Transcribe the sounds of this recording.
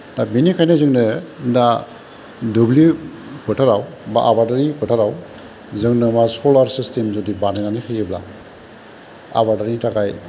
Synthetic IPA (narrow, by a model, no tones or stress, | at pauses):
dabinikʰajnɯzɯŋnɯda | dubli | pʰɯtʰaɾawbaʔabadaɾipʰɯtʰaɾaw | zɯŋnɯmasɔlaɾsistʰemzɔdibanajnanɯkʰejɯbla̰ | a̰baɾdaɾitʰakaj